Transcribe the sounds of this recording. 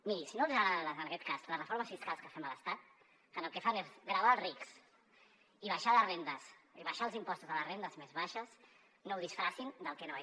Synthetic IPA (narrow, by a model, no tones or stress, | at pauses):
miɾisinozəɣɾaaɾəzənəkɛt̪̚kazləsrəfoɾməsfiskalˠskəfɛmələst̪at̪̚ | kanəlˠkefanezɣɾəβalˠriks | iβ̞aʃalərend̪əsiβaʃalzimpɔst̪uzðələrend̪əzmezβaʃəs | nowðisfɾasind̪əlˠkɛnoa